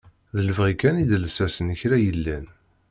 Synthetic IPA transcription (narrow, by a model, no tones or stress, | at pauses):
ðələvʁikænid̪lsæsənəçɾæjəlːæn